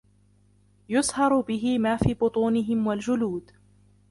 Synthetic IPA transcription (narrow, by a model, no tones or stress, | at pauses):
jʊshɑɾˤbɪɦɪmaːfiːbʊt̪ˤuːnɪɦɪmwald͡ʒʊluːd̪